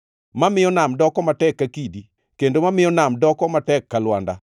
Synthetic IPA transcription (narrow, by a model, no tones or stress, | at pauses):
mamɪjɔnamdɔkɔmatɛkːakidi | kendomamɪjɔnamdɔkɔmatɛkːalwanda̰